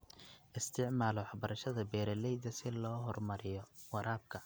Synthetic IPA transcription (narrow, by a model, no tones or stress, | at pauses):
ʔɪst̪ʰɪʕmaːlɔwɑħbɐɾɐʃɐðɐbɛːɾɐlɛjðɐsɪlɔːɦɔrmɐɾɪjɔwɑɾʔaːb̚kʰɐ